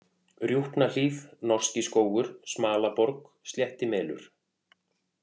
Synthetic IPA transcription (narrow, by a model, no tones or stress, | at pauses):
rjuht̪nal̥iːθnɔr̥scɪskoːwɣʏɾ̥smaːlapɔɾk | st̪ljɛht̪ɪmɛːlʏ̰ɾ̥